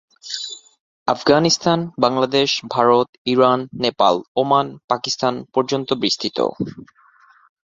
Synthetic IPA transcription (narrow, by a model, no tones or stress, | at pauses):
afɡanist̪ʰanbaŋlad̪eʃbʱaɾot̪iɾanːepa̰lomanpakist̪anpɔɾd͡ʑont̪obɾiʃt̪ʰit̪o̰